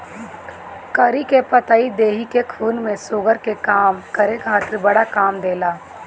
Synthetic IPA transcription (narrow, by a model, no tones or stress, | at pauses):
kəɾikepɐt̪aːid̪eːɦikekʰuːnmẽsʊɡəɾkekaːmkəɾekʰaːt̪ɪɾbɐɽakaːmd̪eːlaː